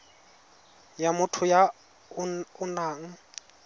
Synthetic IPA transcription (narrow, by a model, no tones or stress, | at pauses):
jamʊtʰʊja | ʊnaːŋ̩